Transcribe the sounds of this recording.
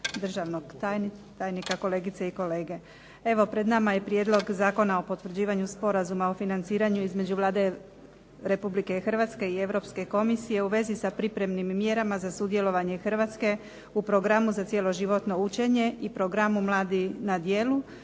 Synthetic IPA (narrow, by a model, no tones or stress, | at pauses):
d̪r̩ʒaʋnoɡt̪ajnit̪ajnikako̞le̞ːɡit̪seiko̞le̞ːɡe̞ | e̞ʋo̞pɾed̪namaje̞pɾje̞d̪lˠo̞ɡzaːko̞nao̞po̞t̪ʋr̩d͡ʑiːʋaɲuspo̞ɾazumaofinant̪siːɾaɲuizme̞d͡ʑuʋlˠaːd̪e̞ | ɾe̞publike̞xr̩ʋat̪ske̞ie̞ʋɾo̞pske̞ko̞misije̞uʋe̞zisapɾipɾe̞mnimːje̞ɾamazasud̪je̞lˠo̞ʋaɲe̞xr̩ʋat̪ske̞ | upɾo̞ɡɾamuzat̪sjelo̞ʒiʋo̞t̪no̞ut͡ʃe̞ɲe̞ipɾo̞ɡɾamumlˠaːd̪inad̪je̞ːlu